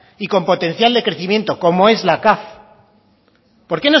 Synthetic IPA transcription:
iko̞mpo̞t̪ẽ̞n̟θjald̪e̞kɾe̞θimjẽ̞nt̪oko̞mo̞e̞zlakaθ | po̞ɾke̞no̞

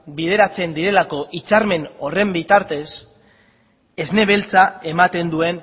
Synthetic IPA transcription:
bið̞e̞ɾat͡se̞nd̪iɾe̞lako̞ʔit͡saɾme̞no̞re̞mbit̪aɾt̪e̞s | e̞zne̞βe̞lt͡sae̞mat̪e̞nd̪ue̞n

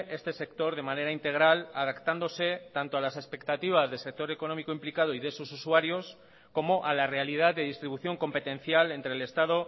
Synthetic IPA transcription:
e̞st̪e̞se̞kt̪o̞ɾð̞e̞mane̞ɾaint̪e̞ɣ̞ɾalaðakt̪and̪o̞se̞t̪ant̪o̞alase̞spe̞kt̪at̪iβ̞azðe̞lse̞k̚t̪o̞ɾe̞ko̞no̞mikoimplikað̞o̞iðe̞sususuaɾjo̞s | ko̞mo̞ʔalare̞alið̞aððe̞ðist̪ɾiβuθjo̞ŋko̞mpe̞t̪ẽ̞nθjale̞nt̪ɾele̞st̪aðo̞

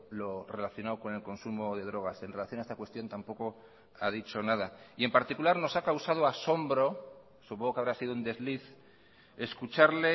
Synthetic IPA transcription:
lo̞re̞laθjo̞nawko̞ne̞lko̞nsumo̞ðe̞ð̞ɾo̞ɣ̞ase̞nre̞laθjo̞naest̪akwe̞st̪jo̞nt̪ampo̞ko̞ | að̞it͡ʃo̞naðaie̞mpaɾt̪ikulaɾno̞sakawsað̞oaso̞mbɾo̞ | supoŋɣokeaβɾasið̞ound̪e̞zliθ | e̞skut͡ʃaɾle

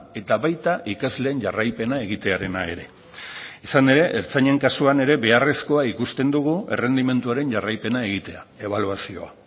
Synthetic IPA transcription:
e̞t̪aβajt̪aʔikazle̞ːnʝarajpe̞nae̞ɣit̪e̞aɾe̞nae̞̰ɾe̞ | isane̞ɾe̞ʔeɾt͡saɲe̞ŋkasuane̞ɾe̞βe̞are̞sko̞aikust̪e̞nd̪uɣue̞re̞nd̪ime̞nt̪uaɾe̞ɲʝarajpe̞nae̞ɣ̞it̪e̞a̰e̞β̞aluasio̞a

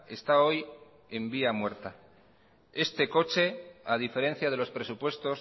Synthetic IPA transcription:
e̞st̪ao̞j | e̞mbiamwe̞ɾt̪a | e̞st̪e̞ko̞t͡ʃe̞að̞ife̞ɾe̞n̟θjað̞e̞lo̞spɾe̞supwe̞st̪o̞s

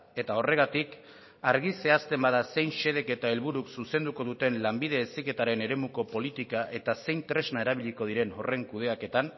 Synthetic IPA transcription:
e̞t̪ao̞re̞ɣ̞at̪ik | aɾɣise̞ast̪e̞mbaðase̞jnʃe̞ð̞e̞ke̞t̪ae̞lβuɾuksuse̞nd̪uko̞ðut̪e̞nlambiðe̞ːsike̞t̪aɾe̞ne̞ɾe̞muko̞po̞lit̪ikaʔe̞t̪ase̞jnt̪ɾe̞znaeɾaβ̞iʎiko̞ð̞iɾe̞no̞re̞ŋkuð̞e̞ake̞t̪an

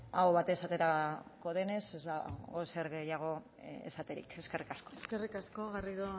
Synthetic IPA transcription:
aoβat̪esat̪e̞ɾako̞ðe̞ne̞sezd̪aɣoseɾɣe̞jaɣ̞o̞ | ḛsat̪e̞ɾḭke̞ske̞rikasko̞eskerikaskoɣariðo

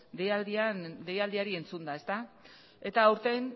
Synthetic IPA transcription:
d̪ejad̪ianle̞jald̪iaɾie̞nt͡sund̪ae̞st̪a | e̞t̪aːuwɾt̪e̞n

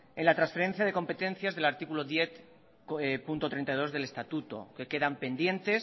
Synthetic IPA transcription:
enlat̪ɾãnsfeɾe̞nθjaðe̞ko̞mpe̞t̪e̞nθjazðe̞laɾt̪ikulo̞ðje̞θ | epunt̪o̞t̪ɾent̪ajðo̞zðe̞le̞st̪at̪ut̪o̰ke̞ke̞ðampe̞nd̪je̞nt̪e̞s

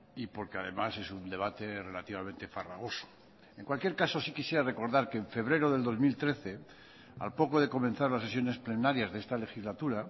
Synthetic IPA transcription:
ipo̞ɾkeaðe̞̰mase̞sund̪e̞β̞at̪e̞re̞lat̪iβamẽnt̪e̞fara̰ɣ̞o̞so̥ | e̞ŋkwalkjeɾkaso̞sikisje̞ɾare̞ko̞ɾðaɾkeːɱfe̞βɾe̞ɾo̞ðe̞ld̪o̞zmilt̪ɾe̞θe̞ | a̰lpo̞ko̞ðe̞ko̞mẽ̞nθaɾlasse̞sjo̞ne̞sple̞naɾjazðeest̪ale̞xizlat̪uɾa

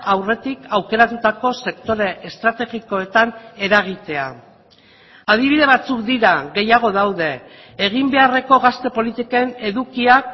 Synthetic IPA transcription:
awre̞t̪ikawke̞ɾat̪ut̪ako̞se̞kt̪o̞ɾe̞ːst̪ɾat̪e̞ɣiko̞e̞t̪ane̞ɾaɣ̞it̪e̞a | að̞iβiðe̞βat͡sukd̪iɾaɣe̞jaɣ̞o̞ðawðe̞ː | ɣ̞imbe̞are̞ko̞ɣast̪e̞po̞lit̪ikoene̞ðukiak

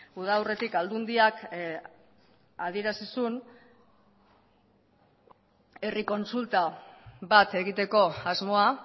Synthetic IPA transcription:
uð̞awre̞t̪ikald̪und̪iak | aðie̞ɾasisun | e̞riko̞nsult̪aβat̪e̞ɣit̪e̞ko̞azmo̞a

